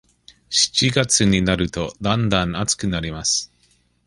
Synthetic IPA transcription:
ɕi̥t͡ɕiɡat͡sɨɲ̟inaɾɯ̟t̪o̞d̪ãnd̪ãɴ̃at͡sɨ̥kɯ̟naɾʲimasɨ̥

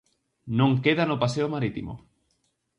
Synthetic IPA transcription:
nõŋkeðanopaseomaɾit̪imo̰

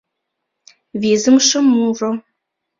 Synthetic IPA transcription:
viːzɨmʂɨmuro

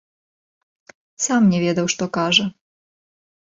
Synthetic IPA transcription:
samnʲɛvʲɛd̪ɐwʂt̪ɔkaʐɐ

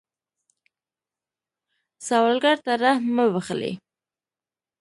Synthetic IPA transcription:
sawalɡaɾt̪aɾahməwaχlḛ

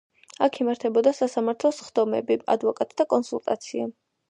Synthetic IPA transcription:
akʰimaɾt̪ʰɛbɔd̪asasamaɾt̪ʰlˠɔsχd̪ɔmɛ̰bia̰d̪vɔkʼat̪ʼd̪akʼɔnsulˠt̪ʼat̪sʰia

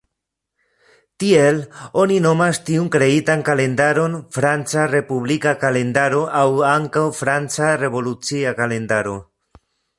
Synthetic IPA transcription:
tie̞lo̞nino̞mastiunkɾe̞itankale̞ndaɾo̞nfɾant͡sare̞puβlikakale̞ndaɾo̞ʔawaŋkawfɾant͡sare̞vo̞lut͡siakale̞ndaɾo̞

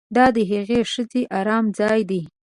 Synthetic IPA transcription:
d̪ɑd̪əɦaɣeʃəzeʔɑɾɑmd͡zɑjd̪i

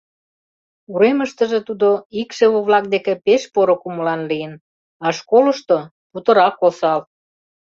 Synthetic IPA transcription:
uɾeməʃt̪ə̆ʒet̪ud̪oikʃeβoβlɑk̚d̪ekepeʃpoɾokuməlɑnlijən | ɑʃkoləʃt̪o | put̪ə̆ɾɑkosɑl

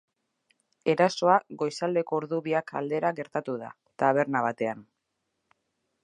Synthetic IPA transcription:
e̞ɾaso̞aɡo̞jsald̪e̞ko̞ːɾðuβiaka̰ld̪e̞ɾaɣe̞ɾt̪at̪uða̰ | t̪aβ̞e̞ɾnaβ̞at̪e̞an

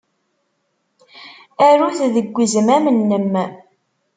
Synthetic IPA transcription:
æɾuθðəɡʷːizəmæmənːəmː

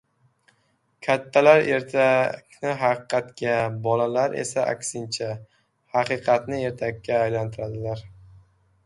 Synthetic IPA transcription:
kʲʰat̪ʰːalaɾe̞ɾt̪ʰakʲnɪɦɑqɨqʰɑt̪kʲabɒlalaɾe̞̰saʔa̰kʲsɪnt͡ʃʰa | hɑqɨqʰɑt̪nɪe̞ɾt̪ʰakʲːaːjlant̪ʰɪɾad̪ɪlaɾ

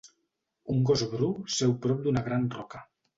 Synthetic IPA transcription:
uŋɡozβɾusɛwpɾɔp̚d̪unaɣɾanrɔka

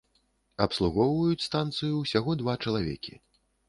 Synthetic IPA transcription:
ɐpslˠuɣɔwvɐjut͡sʲst̪ant̪sɨjusʲaɣɔd̪vat͡ʂɐlˠavʲɛ̰kʲḭ

